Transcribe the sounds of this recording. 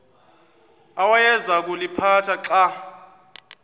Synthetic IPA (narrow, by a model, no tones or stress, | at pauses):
awajɛzak̬ʼulipʰatʰaǁa